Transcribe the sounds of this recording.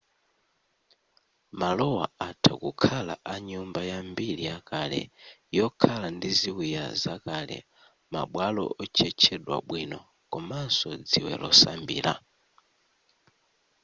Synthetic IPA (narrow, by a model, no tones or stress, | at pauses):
malɔwaatʰakukʰalaʔaɲumbajambiɾijakalɛ̰jɔkʰalandiziwija̰zakalɛ̰ | ma̰ɓwalɔ̰ɔt͡ʃʰɛt͡ʃʰɛɗwa̰ɓwinɔ | kɔmansɔd͡ziwɛ̰lɔsambḭːla